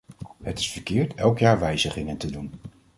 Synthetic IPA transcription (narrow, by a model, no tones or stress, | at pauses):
ɦətɪ̥sfəɹkɪːɹtʰɛlˠkjaːɹʋɛjzəχɪŋəntədun